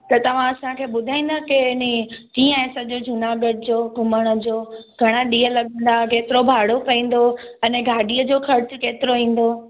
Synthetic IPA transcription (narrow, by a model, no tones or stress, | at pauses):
t̪ɐt̪ɐʋ̤ãɐsãkʰeːɓʊd̪ʱaːĩːn̆d̪akenikiːə̃ɛ̃ːsəd͡ʑod͡ʑʱʊnaːɡəɖd͡ʑoːɡʊməɽ̃ə̆d͡ʑoːɡʱɐɽ̃əɗiːəlɐɠə̃nd̪akeːt̪ɪɾobʱaːɽokɐĩːn̆d̪oɐneɡʱaːɖiəd͡ʑoxɐɾt͡ɕʊkeːt̪ɪɾoĩːn̆d̪o